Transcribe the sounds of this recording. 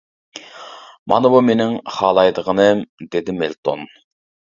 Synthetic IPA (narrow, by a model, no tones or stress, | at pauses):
mɑ̰nɨbumenɪŋχɑːlˠɑjd̪əʁənɨmd̪ed̪ɪmelt̪ʰo̰n